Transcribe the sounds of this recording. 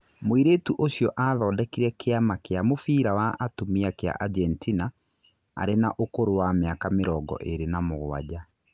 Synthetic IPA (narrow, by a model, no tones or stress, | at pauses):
moiɾeːtuʔoɕjɔʔaðɔːdɛkiɾɛkeamakeamofiːɾawaʔatomiakea̰ʔad͡ʒɛntina | a̰ɾenaʔokoɾowameakameɾɔːɡɔ̰ʔeɾenamoɣoa̰d͡ʑa